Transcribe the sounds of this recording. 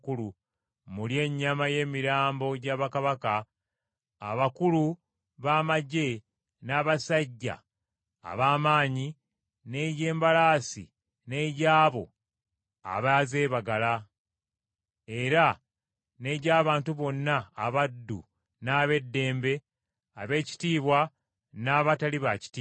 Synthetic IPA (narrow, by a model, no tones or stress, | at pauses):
kulu | mulje̞ːɲːamaje̞ːmiɾaːmbo̞ɟaːβakaβaka̰ː | βakulu | βaːmaɟe̞ | naːβasaɟːa̰ː | βaːmaːɲi | ne̞ɟe̞ːmbalaːsḭ | ne̞ːɟaːβo̞̰ | a̰βaze̞ːβaɡala | e̞ɾa | ne̞ːɟaːβaːntuβo̞nːaːβadːṵ | naːβe̞dːe̞ːmbe̞ | aβe̞ːci̥tiːβwa | naːβataliβaci̥ti